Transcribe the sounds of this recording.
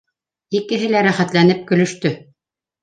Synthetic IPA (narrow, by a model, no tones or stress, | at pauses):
ikɘ̆ɦɘlæɾæχæt̪læn̪ɘp̚kɵ̆lɵ̆ʃt̪ɵ